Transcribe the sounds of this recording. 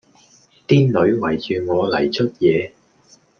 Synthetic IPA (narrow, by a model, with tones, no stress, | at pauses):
t̪iː˥nlɵ˨˧ɥwɐ˨˩jt͡ʃyː˨˩ŋɔː˨˧lɐ̰˨˩jt͡ʃʰɵ˥t̚jɛː˨˧